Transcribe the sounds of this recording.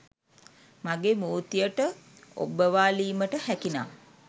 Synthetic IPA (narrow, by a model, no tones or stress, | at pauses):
maɡeːmoːt̪ijəʈə | o̰bːəʋaːliːməʈəhækinaː